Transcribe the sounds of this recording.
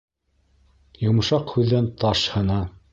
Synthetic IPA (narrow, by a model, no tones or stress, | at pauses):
jŏmɤ̆ʃɑqhʉðːænt̪ɑʃhɤ̆nɑ